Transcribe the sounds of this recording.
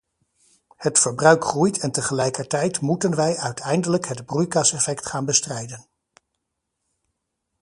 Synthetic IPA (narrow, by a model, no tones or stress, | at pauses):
hətfəɹbrœɥkχrujtʰɛntəχəlɛjkəɹtɛjtmutənʋɛjœɥtʰɛjndələkɦədbrujkɑsɛfɛktχaːnbəstrɛjdən